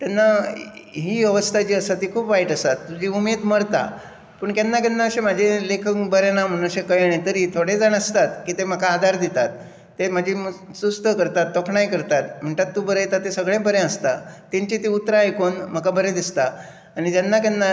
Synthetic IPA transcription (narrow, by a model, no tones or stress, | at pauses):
t̪janːa | ɦiːəʋəst̪ʰat͡ɕiːəsat̪ikʰuːpʋaiʈəsat̪ːud͡ʑiumed̪məɽt̪a̰ | pəɳkanːak̬anːaəɕẽmad͡ʑʱẽlekʰəkbəɾjanam̤əɽ̃əɕekəjɽet̪əɾit̪ʰoɽed͡zanəst̪at̪kiːt̪em̤əkaːd̪ʱaɾd̪it̪at̪ː | em̤ad͡ʑʱisust̪ʰəkəɾt̪at̪ːokʰɳajkəɾt̪at̪m̤əɳt̪at̪ːuːbəɾəjt̪at̪esəɡɭẽbəɾẽəst̪at̪ẽɲt͡ɕit̪iut̪ɾãekonm̤əkabəɾẽd̪ist̪a | aɽ̃it̪anːakanːa